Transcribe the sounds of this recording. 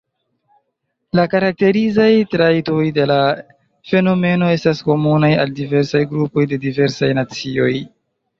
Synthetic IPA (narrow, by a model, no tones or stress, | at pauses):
lakaɾak̚te̞ɾizajtɾajto̞jde̞la | fe̞no̞me̞no̞e̞stasko̞munajaldive̞ɾsajɡɾupo̞jde̞dive̞ɾsajnat͡sio̞j